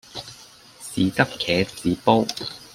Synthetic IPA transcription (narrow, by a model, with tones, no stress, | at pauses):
siː˨˧t̪ɐ˥kkʰɛː˨˧t͡siː˨˦po˥w